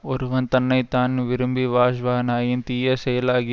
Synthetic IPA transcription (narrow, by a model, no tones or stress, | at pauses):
oɾʋɐnt̪ɐnːɐjt̪aːnʋɪɾumbiʋaːʃʋaːɦɐnaːjint̪iːjɐsejɐlaːɡi